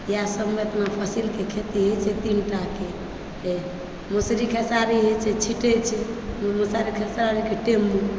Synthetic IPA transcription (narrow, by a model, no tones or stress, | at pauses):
jasəbmeət̪napʰəsilkekʰet̪iɦot͡ʃʰɛt̪inʈake | e | musɾikʰesaɾiɦet͡ʃʰɛt͡ʃʰiʈet͡ʃʰɛmusaɾikʰesaɾikeʈemːu